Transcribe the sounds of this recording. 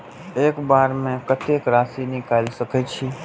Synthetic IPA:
eːkbaːɾmẽkət̪ʰeːkɾaːsinikaːɪlsəkʰeːt͡ʃʰiː

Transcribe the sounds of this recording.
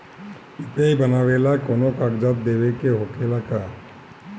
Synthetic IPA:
ɪpeibɐnaːʋelakoːnokakd͡ʒəb̚d̪eːʋekeɦoːkeːlaka

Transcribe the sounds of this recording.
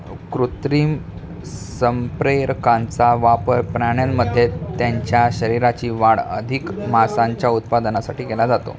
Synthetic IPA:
kɾut̪ɾiːm | səmpɾeɾkãnt͡saʋapəɾpɾaɽ̃jamːəd̪ʱːjet̪jaɲt͡ɕjaɕəɾiɾat͡ɕiːʋaɽə̰d̪ʱikmasãɲt͡ɕjaut̪̚pad̪ənasaʈiːkelad͡zat̪o̰

